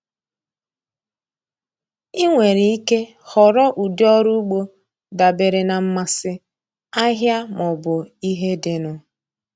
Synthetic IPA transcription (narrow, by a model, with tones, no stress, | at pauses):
i˦ŋʷe˨ɾi˨i˦ke˦ | hɔ˨ɾɔ˦ʔu˨dɪ˦ɔ˦ɾu˦u˦ɡ͡bo˦ | da˨be˨ɾe˨na˨m̩˦ma˦sɪ˦ | a˦ɦja˦mɔ˨bʊ˨i˦ɦe˦dɪ˨nʊ˦